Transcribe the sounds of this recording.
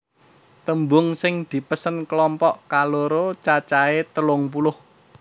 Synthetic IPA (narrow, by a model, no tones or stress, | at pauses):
t̪əmbʊŋsɪŋd̪̥i̤pəsənklɔmpɔʔkaloɾot͡ʃat͡ʃaet̪əlʊŋp̬ulʊh